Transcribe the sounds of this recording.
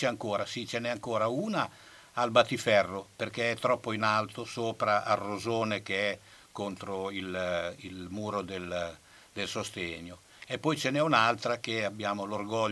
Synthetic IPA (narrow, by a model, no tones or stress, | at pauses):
t͡ʃɛaŋkoːɾasit͡ʃenɛaŋkoːɾauːnaː | lbat̪ifɛrːoperkeɛt̪ːɾɔpːoinalt̪osoːpɾaʔarːozoːnek̟eɛ | kont̪ɾoililmuːɾod̪el | d̪elsost̪eɲːo | epːɔjt͡ʃenɛunalt̪ɾak̟eabːjaːmolorɡɔʎ